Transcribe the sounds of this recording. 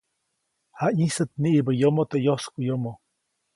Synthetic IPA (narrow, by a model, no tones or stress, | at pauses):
haisət̪̚niʔibəjomot̪ejoskujomo